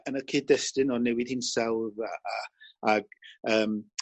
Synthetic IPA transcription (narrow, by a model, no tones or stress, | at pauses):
ənəkʰɪːdɛstɨnɔnɛwɪð̥hiːnsawðaaaɡ̥əːm